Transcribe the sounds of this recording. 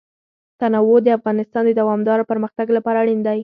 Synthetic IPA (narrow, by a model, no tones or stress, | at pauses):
t̪anawod̪əafɣɑnɪst̪ɑnd̪əd̪awɑmd̪ɑɾopəɾməxt̪aɡlapɑɾaɽind̪aj